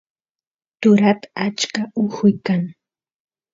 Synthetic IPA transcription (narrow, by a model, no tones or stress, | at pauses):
t̪ʊɾat̪aat͡ʃkaʊhʊjkaŋ